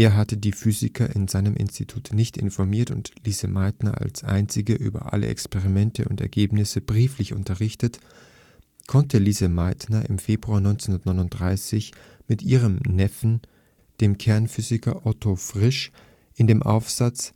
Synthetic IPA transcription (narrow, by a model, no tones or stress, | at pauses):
ʔeːɐɦatədiːfyːzɪkʰɐʔɪ̰nzaɪnəmʔɪ̰nstitʰuːtnɪçtɪ̰nfɔɐmiːɐtʊ̰ntliːzəmaɪtnɐa̰lsʔa̰ɪnt͡sɪɡəʔy̰ːbɐ̰ʔa̰lə̰ʔɛ̰kspeʁimɛntʰəʊ̰ntɛ̰ɐɡeːpnɪsəbʁiːflɪçʊ̰ntɐʁɪçtət | kʰɔntʰəliːzəmaɪtnɐʔɪ̰mfeːbʁuaːɐnɔʏnt͡sɛnhʊndɐtnɔʏnʊnt̚d̥ʁaɪsɪç | mɪtʔiːʁ̞əmnɛfn̩ | d̥eːmkʰɛɐnfyːzɪkɐʔɔtʰofʁ̥ɪʃ | ʔɪndeːmʔa̰ʊfz̥at͡s